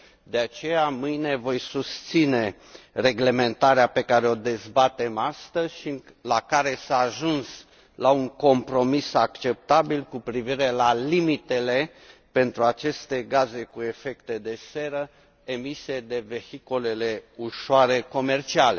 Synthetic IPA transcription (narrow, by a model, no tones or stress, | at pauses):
d̪e̞at͡ʃe̞jamɨjne̞vo̞jsust̪sine̞ | re̞ɡle̞me̞nt̪aɾeape̞kaɾeo̞d̪e̞zbat̪e̞mast̪əzʲʃiɨ | lakaɾe̞saːʒuns | lauŋko̞mpɾo̞misakt͡ʃe̞p̚t̪abilkupɾiviɾe̞lalimit̪e̞le̞ | pe̞nt̪ɾuat͡ʃe̞st̪e̞ɡaze̞kue̞fe̞kt̪e̞d̪e̞se̞ɾə | emise̞d̪e̞ve̞hikole̞le̞uʃoaɾe̞ko̞me̞rt͡ʃiale